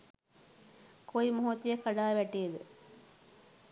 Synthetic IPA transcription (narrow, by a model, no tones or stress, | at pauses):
kʰoimoɦot̪ijəkaɖaːʋæʈːijed̪ɨ